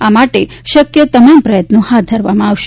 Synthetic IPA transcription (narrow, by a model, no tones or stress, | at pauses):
amaʈeʃəkjət̪əmampɾəjət̪nõhat̪̚d̪ʱəɾʋamãaʋʃe